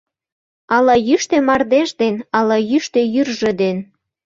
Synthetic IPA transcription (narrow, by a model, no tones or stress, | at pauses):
ɑlɑjyʃt̪emɑrd̪eʒd̪enɑlɑjyʃt̪ejyrʒĕd̪en